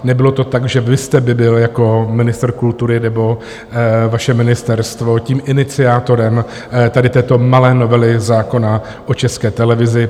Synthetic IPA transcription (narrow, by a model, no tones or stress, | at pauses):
nɛbɪlo̞t̪o̞t̪aɡʒɛvɪst̪ɛbɪbɪljako̞mɪnɪst̪r̩kult̪uɾɪnɛbo̞ | vaʃɛmɪnɪst̪ɛɾst̪vo̞ciːmʔɪnɪt͡sɪaːt̪o̞ɾɛm | t̪adɪt̪ɛːt̪o̞malɛːno̞vɛlɪzaːko̞na | ʔot͡ʃɛskɛːt̪ɛlɛvɪzɪ